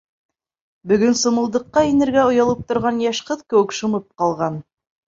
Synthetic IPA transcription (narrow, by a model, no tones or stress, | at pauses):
bɵ̆ɡɵnsŏmɤ̆lˠd̪ɤ̆qːɑinɘ̆ɾɡæŏjɑlˠɤp̚t̪ŏɾʁɑnjɑʃqɤðkɘ̆wɘkʃŏmɤp̚qɑlˠʁɑn